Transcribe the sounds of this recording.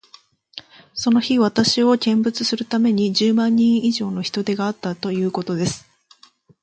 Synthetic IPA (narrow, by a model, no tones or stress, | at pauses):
so̞no̞çiβ̞at̪aɕio̞kʲẽ̞mbɯ̟t͡sɨsɨɾɯ̟t̪ame̞ɲ̟id͡ʑɨːmãɲ̟ːĩɰ̃iʑo̞ːno̞çi̥t̪o̞d̪e̞ɡaːt̪ːat̪o̞jɯ̟ːko̞t̪o̞d̪e̞sɨ̥